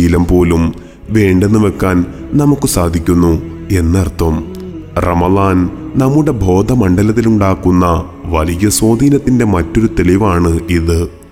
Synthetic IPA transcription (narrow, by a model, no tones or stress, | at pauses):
ilɐmpo̞ːlum | ʋe̞ːɳɖe̞nːɨʋe̞kːaːn | nɐmukːɨsaːd̪ʱikʲːunːu | e̞nːɐrt̪ʰːɐm | rɐ̰mɐðaːnnɐmːuɽe̞bʱo̞ːd̪ʱɐmɐɳɖɐlɐt̪ːiluɳɖaːkːunːɐ | ʋɐlijɐswo̞ːd̪ʱiːnɐt̪ːinde̞mɐtːo̞ɾut̪e̞liʋaːɳɨiðɨ